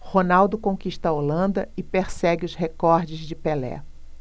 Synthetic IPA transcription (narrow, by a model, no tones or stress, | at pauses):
honawd̪ʊkõkiʃt̪ɐolɐ̃nd̪ɐɪpeɾsɛɡɪʊzhekɔɾd͡ʒɪzd͡ʒɪpelɛ̰